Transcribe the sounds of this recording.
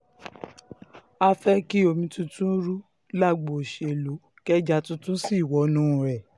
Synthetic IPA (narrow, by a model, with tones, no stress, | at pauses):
a˧fɛ˦ki˦o˧mĩ˧tũ˦tũ˦ɾu˦ | la˦˨ɡ͡bo˨ʃe˨lu˨˦ | kɛ˦d͡ʒa˦tũ˦tũ˦si˦˨wɔ˨˦nũ˦˨ɾɛ˨